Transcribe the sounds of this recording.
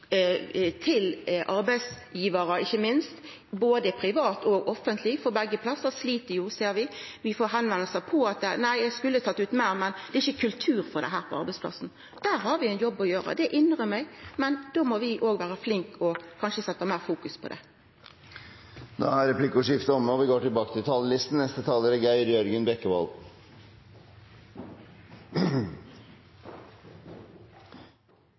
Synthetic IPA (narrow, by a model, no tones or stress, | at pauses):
t̪ʰɪlʔɑɾbæɪs | jiːʋəɾəɪçːəmɪnst̪ | boːd̪əpʰɾɪʋɑːt̪ɔːɡɔfːənt̪ʰlɪfɔɾbɛɡːəpʰlɑsːəʁsliːt̪əɾjʊseːɾʋɪʋɪfoːɾɦɛnʋɛnːəsæpʰɔɑt̪̚d̪ɛnæɪjæɪskʉlːət̪ʰɑt̪ːʉːt̪mæɪɾmɛnd̪ɛɪçːəkʰʉlt̪ʰʉːɾfɔɾd̪ɛ̰ɦæːɾpʰɔɑɾbɛɪspʰlɑ̰sn̩ | d̪̥æːɾɦɑɾʋɪæɪnjɔbːɔjøːɾɑ̰d̪ɛʔɪnːʁəmɛɡmɛnd̪̥oːmɔʋɪʔoːɡʋæːɾəflɪŋkʰɔkʰɑnʃəsɛt̪ːɑmæːʁfuːkʉspʰɔ̰d̪ɛ̰ | no̰ːhɑɾɛpʰlɪkːʊʂɪft̪əɔmːəɔʋɪɡoːʈɪlbɑːkət̪ʰɪlt̪ʰɑːlːəlɪst̪n̩nɛst̪ət̪ʰɑːləɾəɡæɪɾjœɾɡənbɛkːəʋɑ̰l